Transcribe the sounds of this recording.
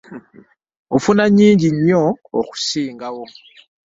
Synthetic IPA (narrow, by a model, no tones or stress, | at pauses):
ofunaɲiːɲɟiɲːo̰ːku̥siːŋɡawo